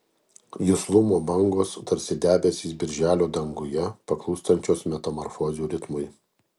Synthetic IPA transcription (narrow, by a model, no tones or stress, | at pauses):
jʊslˠʊmoːbɐŋɡoːst̪ɐɾʲsʲɪd̪ʲæːbʲɛsʲiːsbʲɪɾʲʒʲæːlʲoːd̪ɐŋɡʊjɛpɐklˠuːst̪ɐnʲt͡ʃʲoːsmʲɛt̪ɐmɔɾfɔːzʲuːɾʲɪt̪mʊɪ